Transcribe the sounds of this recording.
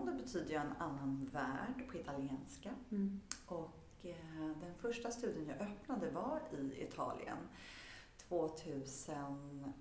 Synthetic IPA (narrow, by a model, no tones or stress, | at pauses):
d̪ɔbɛt̪ʰyːd̪əjaɛnanːanvæ̰ːɖpʰɔɪt̪alɪeːnska | ʔɔk | d̪ɛnfœʂʈast̪ʉ̟ːd̪ɪənjɑːʔœpnad̪əvaɾɪɪ̰t̪ʰɑ̰ːlʔɪ̰ə̰n | t̪ʰvoːt̪ʰʉ̟ːsən